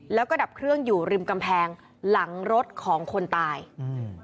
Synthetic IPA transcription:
lɛː˦˥wkɔː˥˩da˨˩p̚kʰɾɯ˥˩əŋjuː˨˩ɾi˧mka˧mpʰɛː˧ŋ | la˩˦ŋɾo˦˥t̪̚kʰɔː˩˦ŋkʰo˧nt̪aː˧j

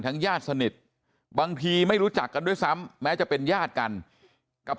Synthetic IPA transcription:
t̪ʰa˦˥ŋjaː˥˩t̪̚sa˧ni˨˩t̪̚ | baː˧ŋt̪ʰiː˧ma˥˩jɾu˦˥t͡ɕa˨˩kːa˧ndu˥˩jsa˦˥mːɛː˦˥t͡ɕa˨˩pe˧njaː˥˩t̪̚ka˧n | ka˨˩p̚

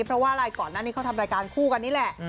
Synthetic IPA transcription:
pʰɾɔ˦˥waː˥˩ʔɾaː˧jkɔː˨˩nːaː˥˩ni˦˥kʰa˦˥˩t̪ʰa˧mɾaː˧jkaː˧nkʰuː˥˩ka˧nːiː˦˥lɛ˨˩ʔ

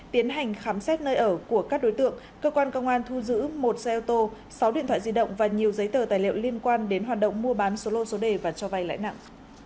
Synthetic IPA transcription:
t̪i˨˦ənɦa˨˩jŋ̟xaː˨˦msɛ˦˥t̚nəː˧jʔəː˧˩ku˧˩əkaː˦˥k̚ɗo˨˦jt̪ɨ̰˧˨əŋ | kəː˧kwaː˧nkə˧wŋ͡mʔaː˧nt̪ʰu˧zɨ̰˧˥mo˨˩t̚sə˧ʔɛ˧t̪o˧ | sa˨˦wɗḭ˧˨nt̪ʰwaː˧˨jzi˧ɗə̰˧˨wŋ͡mvaː˨˩ɲi˨˩əwzə˨˦jt̪əː˧˩t̪aː˨˩jlḭ˧ə˨wli˧ənkwaː˧nɗe˨˦nɦwaː˨˩t̚ɗə̰˧˨wŋ͡mmu˧əɓaː˨˦nso˨˦lo˧so˨˦ɗe˨˩vaː˨˩t͡ɕɔ˧va˧jla̰ː˧˥jna̰˧˨ŋʔ

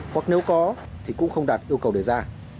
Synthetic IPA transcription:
hwa˨˩k̚ne˨˦wkɔ˨˦ | t̪ʰi˨˩kʊ̰˧˥ŋ͡mxə˧wŋ͡mɗaː˨˩t̚ʔi˧əwkə˨˩wɗe˧˩zaː˧

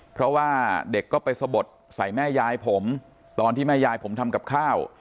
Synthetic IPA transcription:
pʰɾɔ˦˥waː˥˩de˨˩kːɔː˥˩pa˧jsa˧bo˨˩t̪̚sa˨˩jmɛː˥˩jaː˧jpʰo˩˦m | t̪ɔː˧nt̪ʰiː˥˩mɛː˥˩jaː˧jpʰo˩˦mt̪ʰa˧mka˨˩p̚kʰaː˥˩w

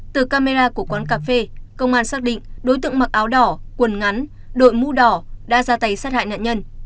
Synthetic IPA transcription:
t̪ɨ˨˩kaː˧me˧zaː˧ku˧˩əkwaː˨˦nkaː˧˩fe˧kə˧wŋ͡mʔaː˧nsaː˦˥k̚ɗḭ˧˨ŋ̟ɗo˨˦jt̪ɨ̰˧˨əŋma˨˩ʔaː˨˦wɗɔ˧˩kwə˨˩nŋa˨˦n | ɗo̰˧˨jmu˧ɗɔ˨˩ɗa̰ː˧˥zaː˧t̪a˨˦jsaː˦˥t̚ha̰ː˧˨jna̰ː˧˨nɲə˧n

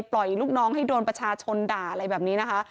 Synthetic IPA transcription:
jplɔ˨˩jluː˥˩k̚nɔː˦˥ŋhɦa˥˩jdoː˧npɾa˧t͡ɕʰaː˧t͡ɕʰo˧ndaː˨˩ʔa˧ɾa˧jbɛː˨˩p̚niː˦˥na˦˥kʰa˦˥ʔ

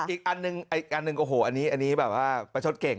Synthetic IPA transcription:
iː˨˩k̚ʔa˧nːɯ˧ŋʔa˧jk̚ʔa˧nːɯ˧ŋʔoː˧˩ɦoː˨˩˦ʔa˧niː˦˥ʔa˧nːiː˦˥bɛː˨˩p̚waː˥˩pa˧jt͡ɕʰo˦˥t̪̚ke˨˩ŋ

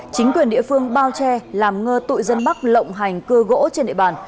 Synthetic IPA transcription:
t͡ɕï˨˦ŋ̟kwi˨˩ənɗḭ˧˨fɨ˧əŋɓaː˧wt͡ɕɛ˧laː˨˩mŋəː˧t̪ṵ˧˨jzə˧nɓa˦˥k̚lə̰˧˨wŋ͡mɦa˨˩jŋ̟kɨ˧əɣo̰˧˥t͡ɕe˧nɗḭ˧˨ɓaː˨˩n

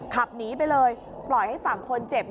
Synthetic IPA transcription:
kʰa˨˩p̚niː˦˥p̬a˧jlɤː˧j | plɔ˨˩jha˥˩jsaː˩˦ŋkʰo˧nt͡ɕe˨˩p̚

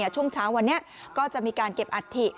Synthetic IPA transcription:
t͡ɕʰu˥˩əŋt͡ɕʰaː˦˥wːa˧nːi˦˥ɐ | kɔː˥˩t͡ɕa˨˩ʔmiː˧kaː˧nke˨˩p̚ʔa˨˩t̪ʰːi˨˩

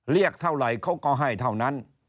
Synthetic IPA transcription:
ɾi˥˩ək̚t̪ʰa˧˩wla˨˩˦jkʰa˦˥˩wkɔː˧˩ɦa˧˩jt̪ʰa˧˩wna˦˥n

